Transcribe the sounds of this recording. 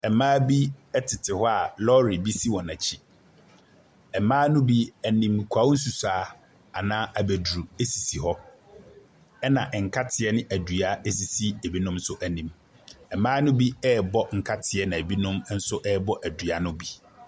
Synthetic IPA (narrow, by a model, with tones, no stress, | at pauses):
ɛ˨mãː˦bi˦ɛ˦tʰɪ˨tʰɪ˨hɔ˦a˨lɔ˦ɾi˨bi˦si˦wɔ̃˨nã˨t͡ɕʰi˦ | ɛ˨mãː˦nʊ̃˦bi˦æ˨nĩ˨m̩˨kʷʰa˨˦wn̩˦su˨saː˨˦ | a˨nãː˦ʔa˨bæ˨dɾu˨e˦si˨si˨ɦɔ˦ | ɛ˦nã˨ʔɛ˨ŋ̩˨kʰa˦tʰɪ˨ɛ˦nɪ̃˦ʔæ˨du˨a˦e˦si˨si˦e˨bi˦nʊ̃˦msʊ˦ʔæ˨nĩ˨m | ɛ˨mãː˦nʊ̃˦bi˦ɛː˦bɔ˦ŋ̩˨kʰa˦tʰɪ˨ɛ˦nã˨e˨bi˦nʊ̃˦m˦n̩˦sʊ˦ʔɛ˦bɔ˦ʔæ˨dɥa˨nʊ̃˦bi˦